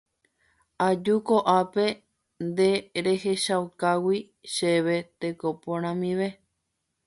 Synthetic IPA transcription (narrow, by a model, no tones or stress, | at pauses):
ad͡ʒukoʔape̞ | nd̪e̞ɾe̞he̞ʃawkawi | ʃe̞ʋe̞t̪e̞kopõɾ̃ãmĩʋe